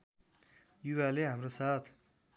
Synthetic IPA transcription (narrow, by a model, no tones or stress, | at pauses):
juwaleɦamrosat̪ʰ